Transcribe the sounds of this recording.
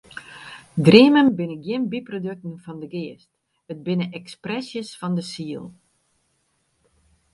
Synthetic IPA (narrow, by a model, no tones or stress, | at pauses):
dreəmənbɪnəɡjɪnbiprodøk̚tn̩fɔndəɡɪːəst | ət̚bɪnəʔɛksprɛsjəsfɔndəsiəlˠ